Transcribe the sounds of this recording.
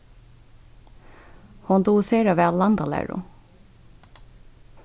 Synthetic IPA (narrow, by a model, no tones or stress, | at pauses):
hɔnd̪uːseːɾɑʋeːɑlɑnd̪ɑlæ̰ɹʊ̰